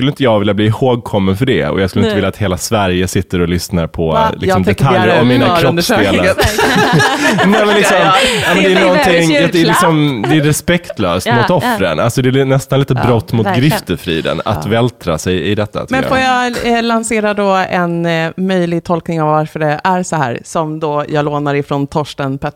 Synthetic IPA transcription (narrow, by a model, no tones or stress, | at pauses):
kɵlːəɪnt̪əjɑːɡvɪljabliːhoːɡ̚kʰɔmːənfœɖɛ̰ɔ̰jɑːɡskɵləɪəɪlːat̪heːlasvæɾjəsɪt̪ːəɾɔlʏsnaɾpʰɔlɪksɔmd̪ɛt̪ʰaljəɾɔmmiːnakʰɾɔseːla | nɛmɛnlɪksɔmɑːmɛnd̪ɛːnɔnt̪ʰɪŋaɛlɪksɔmd̪ɛæɾɛspɛkt̪løːst̪mʊt̪ɔfɾə̰nʔalsɔd̪ɛːnɛst̪anliːt̪əbɾɔt̪ːmʊt̪ɡɾɪft̪əɾfɾḭːd̪ə̰na̰t̪vɛlt̪ʰɾa̰sɛjɪd̪ɛt̪ːa̰t̪mɛnfoːjalanseːɾad̪oɛnmœjlɪɡ̚t̪ʰɔlknɪŋavːaɾfœɖɛæɾsɔɦæ̰ːɾsɔmd̪ɔjɑːɡloːnaɾɪfɾɔnt̪ʰɔʂʈənpʰɛ